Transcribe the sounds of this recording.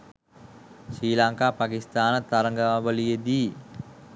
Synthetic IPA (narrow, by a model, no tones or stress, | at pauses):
silaŋkapakist̪aːnət̪aɾəŋɡamaʋəlijəd̪i